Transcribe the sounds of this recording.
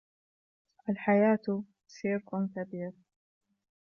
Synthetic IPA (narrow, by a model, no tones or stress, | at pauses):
ʔalħajaːt̪ | ʃɪɾqʊnkabiːɾ